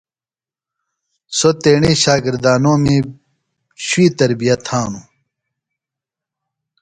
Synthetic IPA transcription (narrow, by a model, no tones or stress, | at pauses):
sot̪eːɳeːɕaːɡiɾd̪aːnõːmẽː | ɕuiːt̪ɐɾbijɐt̪hãːnu